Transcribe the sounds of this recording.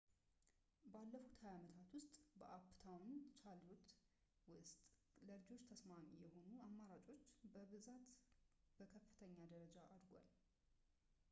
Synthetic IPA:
balːəfut̪həjamət̪ʰat̪wʊst̪ʼbəʔapːt̪ʰawnt͡ʃʰalut̪ | wʊst̪ʼləlɨd͡ʒo̞t͡ʃːt̪ʰəsmamijɛho̞nuamːaɾat͡ʃʼo̞t͡ʃːbəβɨzat̪ | b̥əkʰəfːɨ̥t̪ʰəɲːad̪əɾəd͡ʒaʔad̪ɡʷa̰l

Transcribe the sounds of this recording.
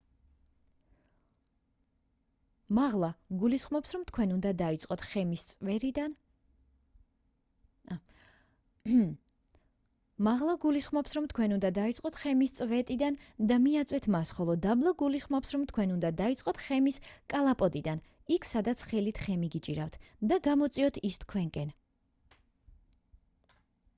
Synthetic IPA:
maʁlˠaɡulisχmɔpsɾɔmt̪ʰkʰwɛnund̪ad̪ait̪sʼqʼɔt̪ʰχɛmist̪sʼvɛɾid̪n | maʁlˠaɡulisχmɔpsɾɔmt̪ʰkʰwɛnund̪ad̪ait̪sʼqʼɔt̪ʰχɛmist̪sʼvɛt̪ʼid̪and̪amiat̪sʼwɛt̪ʰmasχɔlˠɔd̪ablˠaɡulisχmɔpsɾɔmt̪ʰkʰwɛnund̪ad̪ait̪sʼqʼɔt̪ʰχɛmiskʼalˠapʼɔd̪id̪an | ikʰsad̪at̪sʰχɛlit̪ʰχɛmiɡit͡ʃʼiɾaft̪ʰd̪aɡamɔt̪sʼiɔt̪ʰist̪kʰwɛŋkʼɛn

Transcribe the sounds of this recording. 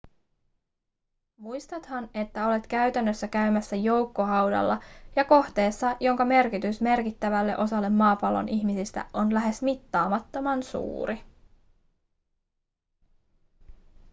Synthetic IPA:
mujst̪ɑt̪hɑne̞t̪ːæo̞le̞t̪kæɥt̪ænːøsːækæɥmæsːæjo̞wkːo̞ɦɑwdɑ̰lːɑjɑko̞ht̪e̞ːsːɑjo̞ŋkɑme̞rkit̪ysme̞rkit̪ːæʋælːe̞ʔo̞sɑlːe̞mːɑːpɑlːo̰nʔiçmisist̪æ̰ʔo̞nlæɦe̞smit̪ːɑːmɑt̪ːo̞mɑnsṵːɾi

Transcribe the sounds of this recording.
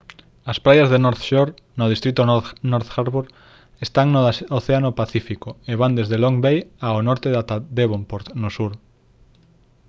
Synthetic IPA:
aspɾajazðenoɾθʃoɾ | nʊðist̪ɾit̪ʊonoɾθxaɾβuɾ | est̪aŋnooθeanopaθifikoeβand̪ezðeloŋbejaonɔɾt̪eðat̪ad̪eβompoɾt̪nʊsuɾ

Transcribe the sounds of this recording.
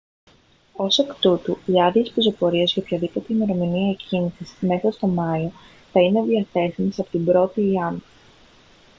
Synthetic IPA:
o̞sekt̪ut̪uiɐðiespizo̞po̞ɾiezʝɐopçɐðipo̞t̪e̞ime̞ɾo̞miniɐecinisisme̞sɐst̪o̞mɐio̞ | θɐine̞ðiɐθe̞simesɐpo̥t̪ibɾo̞t̪iːɐni

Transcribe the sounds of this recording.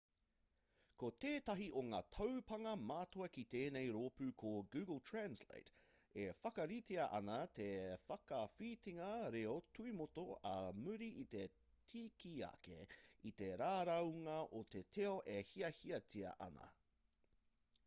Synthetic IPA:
kot̪eːt̪ɐɦiʔoŋaːt̪ʰɐwpɐŋɐmaːt̪oɐkit̪eːnejɾoːpʉkʰoɡʉːɡəlˠtʰɹænslḛjt | efɐkɐɾitiɐʔɐnɐt̪ʰefɐkɐfiːtiŋɐɾeotʰuimot̪oɐmʉɾiʔit̪e | tʰiːkiɐ̰kḛit̪e̞ɾaːɾɐwŋɐʔot̪etʰeoʔehiɐhiɐtʰiɐ̰ʔɐ̰nɐ̰

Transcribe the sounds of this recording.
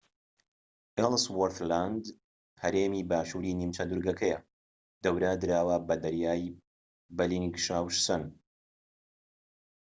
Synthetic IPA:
ʔɛlswoɾt̪land̪ | hɐɾeːmiːbaːʃuːɾiːnimt͡ʃɐd̪uɾɡɐkʰɐjɐ | d̪̥ɐwɾɐd̪ɨɾaːwɐbɐd̪ɐɾjaːj | bɐlinɡʃaːwʃsɐn

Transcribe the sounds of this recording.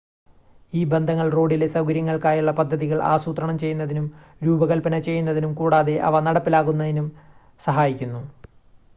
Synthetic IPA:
iːbe̞nd̪ʱɐŋːɐɭro̞ːɖile̞sɐwɡɐɾjɐŋːɐɭkaːjuɭːɐpɐd̪ʱːɐðiɣɐɭʔa̰ːsuːt̪rɐɳɐmt͡ɕe̞junːɐðinum | ɾuːbɐɣɐlpɐnɐt͡ɕe̞jːunːɐðinumkuːɽaːðe̞ʔɐ̰ʋɐnɐɽɐpːilaːɣunːɐðinum | sɐɦaːjikʲːunːu

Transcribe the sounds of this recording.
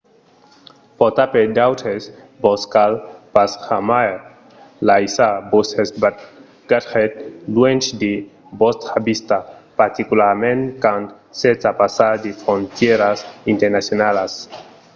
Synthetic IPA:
pot̪aped̪awt̪ʰes | boskalpasxamae | lajsabosesba | ɡ̥atχet̪lwent͡ʃd̪e | bost̪habist̪apaɾt̪ikulaɾmẽnkant̪ | set͡sapasad̪efɾont̪jeɾasint̪eɾnasjonalas

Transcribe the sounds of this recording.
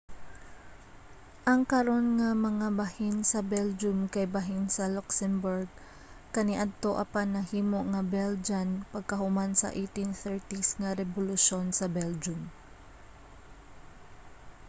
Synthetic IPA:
ʔɐŋkɐɾo̞nŋɐmɐŋabɐhinsɐbɛld͡ʒʊmkɐjbɐɦɪnsɐlɔksɛmbʊɹɡ̚ | kɐniʔad̪̚t̪o̞ʔɐpanɐhiːmo̞ʔŋɐbɛld͡ʒanpɐɡ̚kɐɦʊmansɐ̰ʔejt̪inθɛɹt̪isŋɐɾɛbʊlʊʃo̞nsɐbɛld͡ʒʊm

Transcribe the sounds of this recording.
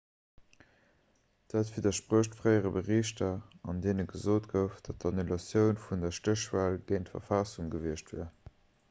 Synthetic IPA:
d̥aːtfiːdɐʃpʁoːʃtfʁɜɪəʁəbəʁiːɕtɐɑndeːnəɡəzoːtɡ̥əʊfd̥ɑt̚dɑnulɑsjəʊnfundɐʃtəʃvaːlɡ̥əɪntfɐ̰fɑsuŋɡəviəʃtvḭɐ

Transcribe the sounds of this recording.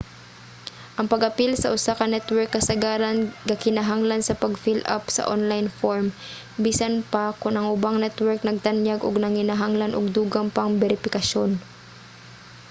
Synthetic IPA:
ʔɐŋpɐɡɐpilsɐʔʊsakɐnɛt̪wɛɹkːɐsɐɡaːɾanɡɐkɪnaɦaŋlansɐpɐɡfila̰psɐ̰ʔonlajnfoɹm | bisanpakʊnʔɐŋʔʊbaŋnɛt̪wɛɹk̚nɐɡ̚t̪anjaɡoɡnɐŋhɪnaɦaŋlanoɡ̚d̪uːɡɐmpɐŋbɛɾɪfɪkɐʃon

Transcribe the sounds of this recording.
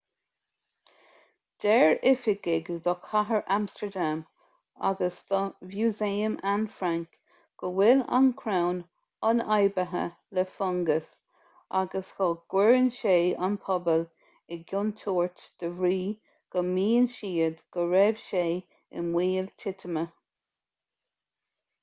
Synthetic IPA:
d̪̥ɛɹɪfɪɡɪɡðɔkʰaɦəɹʔamstəɹd̪am | a̰ɡəsðɔvjuːzeːəmʔanfɾaŋk | ɡ̥əwɪla̰nkʰɾawn | ɑnajbəɦə̰ | lɛfɔŋɡəs | ʔaɡəshɔɡ̥wɛɹnʃeːanpʰɔbəl | ɪɡʊnt̪ʰɔːɹt̪d̪̥əvɾiː | ɡ̥əmiːənʃiːəd̪ɡ̥əɹɛvʃeː | ɪ̰nwiːlt̪ʰɪt̪ʰəmə

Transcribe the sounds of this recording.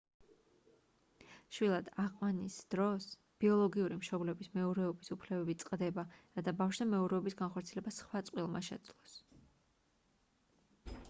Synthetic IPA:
ʃwilˠad̪aʁqʼwanisd̪̥ɾɔs | b̥iɔlˠɔɡiuɾimʃɔblɛbismɛɔɾɛɔbisupʰlɛbɛbit̪sʼqʼd̪ɛbaɾat̪ʰabafʃd̪amɛɔɾɛɔbisɡanχɔɾt̪sʰiɛlɛbasχwat̪sʼqʼwilˠma̰ʃɛ̰d̪zlˠɔs

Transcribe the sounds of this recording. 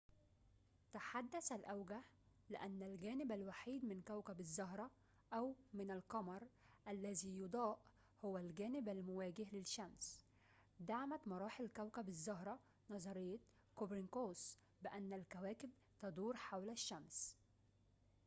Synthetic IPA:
t̪aħad̪ːæsælʔæwɡah | lɪʔænːælɡæːnɪbælwaħiːd̪mɪnkæwkæbɪzˤːɑɦɾˤɑ | ʔæwmɪnalqɑmɑɾˤ | ʔælːæziːjʊd̪ˤɑːʔ | hʊwælɡæːnɪbælmʊwæːɡɪhlɪʃːæms | d̪aʕmæt̪mɑɾˤɑːħɪlkæwkæbɪzˤːɑɦɾˤɑ | nɑzˤɑɾɪjːɑ | kobɾɪnkoːs | bɪʔænːælkæwæːkɪb̚ | t̪ɑd̪ˤuːɾħawlæʃːæms

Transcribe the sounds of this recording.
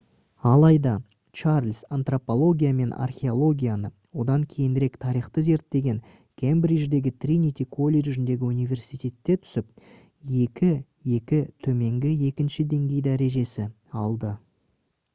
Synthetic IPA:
ɑlˠɑjd̪ɑ | t͡ʃarlʲsant̪ropo̞lˠo̞ɡʲijame̞nʔa̰rχʲe̞o̞lˠo̞ɡʲijanə | wo̞d̪ɑŋkʲʰe̞jɪnɾe̞kt̪ʰɑɾijχt̪əze̞ɾt̪ːe̞ɡʲe̞ŋ | kʲʰembɾiʒd̪e̞ɡʲɪt̪rʲinit̪ʲikʰo̞lʲːeʒɪnd̪e̞ɡʲɪunijvʲe̞rsijt̪e̞t̪ːe̞t̪ʰʏ̥sɪp̚ | je̞kʲɪ | je̞kʲɪt̪ʰɵme̞ŋɡʲɪje̞kʲɪnʃɪd̪e̞ŋɡʲe̞jd̪æɾe̞ʒe̞sɪ | ɑlˠd̪ə

